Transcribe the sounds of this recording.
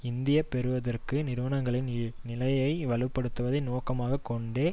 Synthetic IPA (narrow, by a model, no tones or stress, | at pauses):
ɪnd̪ɪjɐpɛɾɯʋɐðɐrkɯnɪɾʋɐnɐŋɡɐɭɪnnɪlɐjɐɪʋɐlɯpːɐɽɯt̪ːɯʋɐðɐɪnoːkɐmaːɣɐkɔɳɖeː